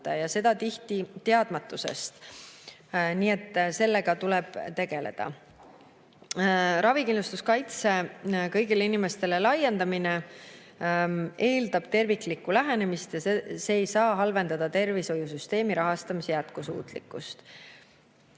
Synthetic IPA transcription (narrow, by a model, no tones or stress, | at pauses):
t̪ːˑɑjɑse̞d̪̥ɑt̪iht̪it̪e̞ɑd̪̥mɑt̪ːˑuse̞̰st̪ | niːe̞t̪ːˑse̞lːe̞ɡ̥ɑt̪ule̞b̥t̪e̞ɡ̥e̞le̞̰d̪̥ɑ̰ | ɾɑvikind̪lust̪uskɑjt̪se̞kɤ̞jɡileinime̞st̪e̞le̞lɑjːe̞nd̪ɑmine | e̞ːld̪ɑb̥t̪e̞rvikˑlikːˑulæɦe̞ne̞mist̪jɑseseːjsɑːɦɑlve̞nd̪ɑd̪̥ɑt̪e̞rviso̞jusyst̪e̞ːmiɾɑɦɑst̪ɑmisejæt̪̚kusṵːt̪ˑlḭkːˑust̪